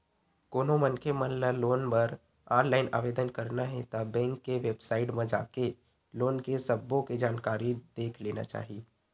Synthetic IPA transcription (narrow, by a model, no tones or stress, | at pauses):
koːnõmənkʰemənləloːnpəɾ | aːɾlaːɪna̰ːʋeːd̪ənkəɾnaɦɛ̃t̪abɛ̃ːŋkːeʋeːbsaːɪʈmẽd͡ʒa̰ːke | loːnkesəbːõked͡ʒaːnkaːɾid̪̥eːkʰleːna̰t͡ʃa̰ːɦie